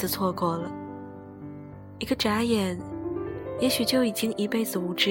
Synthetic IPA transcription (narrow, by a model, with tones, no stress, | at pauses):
t͡sʰwɔ˥˧kwɔ˥˩lə˩ | i˧˥ɡə˧ʈ͡ʂa˧˥jɛ˨˩˦n | jɛ˧˥ɕy˨˩t͡ɕjo˥˩ʊi˨˩t͡ɕi˥ŋi˧˥pe˥˩ɪd͡zɹ̩˨˩u˧˩ʈ͡ʂɻ̩˥